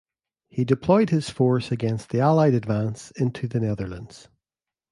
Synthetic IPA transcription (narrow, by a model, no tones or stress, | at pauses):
hidɪpʰl̥ɔɪd̚hɪz̥fɔɹsəɡɛ̃nst̪ðialˠaɪɾədvãnsɪ̃ntʰʉðənɛðə˞lˠə̰̃ndz̥